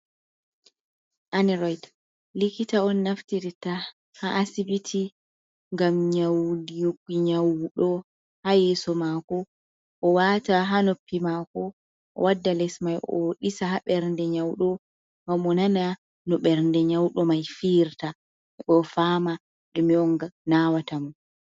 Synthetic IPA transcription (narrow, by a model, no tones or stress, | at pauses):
ʔaniɾɔjd | likitaɔnːaftiɾita | haʔasibitʰi | ŋɡamɲawdijokːiɲawɗɔ | hajɛːsɔmakɔ | ʔɔwataɦanopːimakɔ | ʔɔ̰wadːalɛsmajʔɔ̰ɗisahaɓɛɾndɛɲawɗɔ | ŋamɔnana | nɔɓɛɾndɛɲawɗɔmajfiːɾta | ɛɓɔfaːma | ɗumiɔŋɡanawatamun